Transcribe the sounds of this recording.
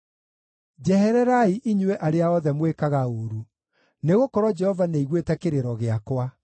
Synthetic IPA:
d͡ʒɛhɛɾɛɾaiʔiɲwɛʔaɾeaɔðɛmwekaɣaoɾu | neɣokɔɾɔd͡ʒɛhɔvaneiɣwetɛkeɾeɾɔɣeakwa

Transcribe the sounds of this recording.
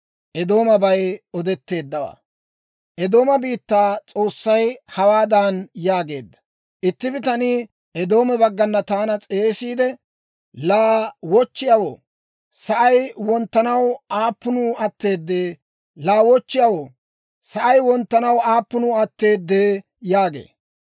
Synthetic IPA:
ʔɛd̪o̞ːmɐbɐjɔd̪ɛt̪ːe̞ːd̪ːɐwa̰ | ʔɛd̪o̞ːmɐbiːt̪ːaːt͡sʼo̞ːsːɐjhɐwaːd̪anjaːɡe̞ːd̪ːɐ̥ | ʔɪt̪ːɪbɪt̪ɐni | ʔɛd̪o̞ːmɛbɐɡːɐnːɐt̪aːnɐt͡sʼe̞ːsiːd̪ɛ | laːwɔt͡ʃːɪjɐwo̰ː | sɐʔɐjwɔnt̪ːɐnɐwaːpːʊnuːɐt̪ːe̞ːd̪ːeː | laːwɔt͡ʃːɪjawoː | sɐʔɐjwɔnt̪ːɐnɐwaːpːʊnuːɐt̪ːe̞ːd̪ːeː | jaːɡḛː

